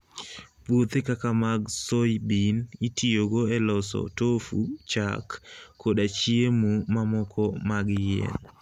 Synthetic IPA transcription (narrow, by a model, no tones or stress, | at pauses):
bwot̪ekakamaɡsojbinitʰioɡoɛlɔsɔ̰tofṵt͡ʃa̰kːodat͡ʃiemumamɔkʰɔmaɡjɛ̰n